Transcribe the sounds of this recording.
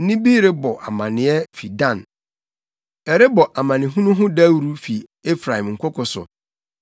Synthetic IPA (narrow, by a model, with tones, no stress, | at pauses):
nĩ˦bi˦ɾe˦bɔ˨ʔa̰˨mã˨nɪ̃˨˦ɛ˦fi˨dã˦˨n | ɛ˨ɾɪ˦bɔ˨ʔa˨mã˨nɪ̃˨ɦũ˦nʊ̃˦ɦʊ̃˦da˦wɾu˦fi˨e˦fɾa˨hĩ˨mŋ̩˨kʰʷʊ˦kʊ˨sʊ̰˨